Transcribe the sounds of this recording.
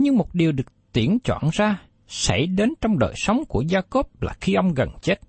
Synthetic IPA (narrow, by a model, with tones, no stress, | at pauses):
ɲɨ˧ŋmo˨˩t̚ɗi˨˩əwɗɨ˨˩ək̚t̪i˧˩ənt͡ɕwa̰ː˧˨nzaː˧ | sa̰˧˩jɗe˨˦nt͡ɕɔ˧wŋ͡mɗəː˨˩jsə˨˦wŋ͡mku˧˩əzaː˧ko˦˥p̚laː˨˩xi˧ʔə˧wŋ͡mɣə˨˩nt͡ɕe˦˥t̚